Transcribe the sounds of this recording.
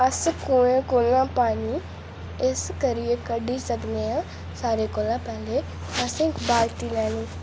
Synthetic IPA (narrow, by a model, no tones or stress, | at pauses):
əskoːẽkoːlãːpaːniː | ɪskəɾɪeːkəɖiːsəkneːãː | saːɾeːkoːlãːpɛːleː | əsɪ̃ːkbaːlt̪iːlɛːniː